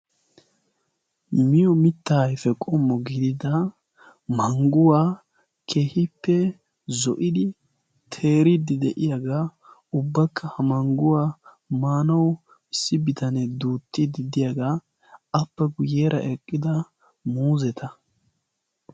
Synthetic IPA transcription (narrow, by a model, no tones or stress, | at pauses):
mɪjɔmɪt̪ːaːjfɛkʼɔmːɔɡid̪ɪd̪ɐ | mɐŋɡʊwaː | kʰe̞ːhɪpːɛ | zɔʔɪd̪ɪ | t̪ʰe̞ːɾɪd̪ɪd̪ɛʔɪjaɡaː | ʊbːɐkʰːɐhɐmɐŋɡʊwaː | maːnɐw | ɪsːɪbɪt̪ɐnɛd̪uːt̪ːɪd̪ɪd̪ɪjaɡaː | ɐpːɛɡʊjeːɾʔɐ̰ʔɛkʼːɪd̪ɐ | muːzɛt̪ʰɐ